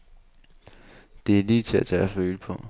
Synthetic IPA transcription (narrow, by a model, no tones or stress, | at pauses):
d̥e̝æliːt͡sʰe̝æt͡sʰææføːləpʰɒ̽